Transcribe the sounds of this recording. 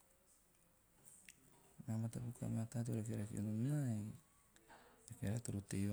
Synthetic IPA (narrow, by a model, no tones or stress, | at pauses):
namatapuka̰matat̬uɾekeɾakionumnae | ekeɾatuɾutej